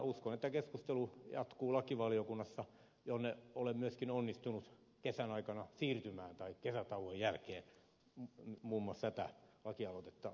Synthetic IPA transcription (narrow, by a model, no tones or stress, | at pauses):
uskonet̪ːækeskust̪elujɑ̰t̪kuːlɑkiʋɑliokunːɑsːɑ | johneolemmyøskinonːist̪unut̪ | kesænɑikɑnɑsiːrt̪ymæːnt̪ɑikkesæt̪ɑuhojjælkeː | muːmːuɑst̪æt̪æ̰lɑkiɑlot̪et̪ːɑ